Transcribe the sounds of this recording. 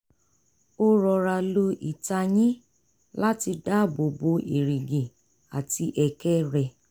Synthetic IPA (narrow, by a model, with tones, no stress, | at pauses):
o˦ɾɔ˨ɾa˧lo˧ʔi˨ta˧j̃ĩ˦ | la˦ti˧da˦bo˨bo˧ʔi˨ɾi˨ɡi˨ | a˨ti˧ʔɛ˧kɛ˦ɾɛ˧